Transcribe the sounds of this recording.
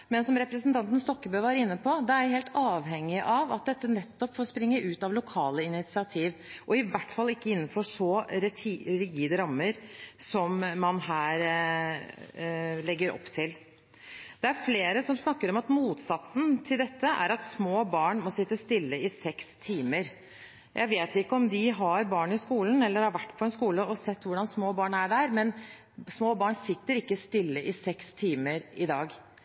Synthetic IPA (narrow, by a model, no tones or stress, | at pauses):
mɛnsɔmɾɛpɾəsnt̪ʰɑnt̪ən̩st̪ɔkːəbœʋæɾɪnːəpʰɔd̪ɛæjæɪheːlt̪ɑːʋɦɛŋːɪʔɑʋɑt̪̚d̪ɛt̪ːənɛt̪ːɔpfɔːspɾɪŋːəʔʉːt̪ɑʋlʊkʰɑːləɪnɪt̪sɪɑt̪ʰiːʋʔɔɪʋæʈːfɑlːɪkːəɪnːənfɔʂɔɾʰɾɪɡiːd̪əɾɑmːəɾsɔmːɑnɦæːɾ | lɛɡːəɾɔ̰pːt̪ʰɪl | d̪̥ɛæɾfleːɾəsɔmsnɑkːəɾɔmɑt̪muːt̪sɑt̪sn̩t̪ʰɪld̪ɛt̪ːəʔæ̰ɾɑt̪smoːbɑːɳmɔsɪt̪ːəst̪ɪlːəɪsɛkst̪ʰiːməɾ | jʔæɪʋeːt̪ɪkːəɔmd̪ɪɦɑɾbɑːɳɪskuːln̩ɛlːəɾhɑɾʋæʈːpʰɔɛnskuːləɔsɛt̪ːʋʊɖɑnsmoːbɑːɳæɖæːɾmɛn | smoːbɑːɳsɪt̪ːəɾɪkːəst̪ɪlːəʔɪsɛkst̪ʰiːməɾɪd̪ɑːɡ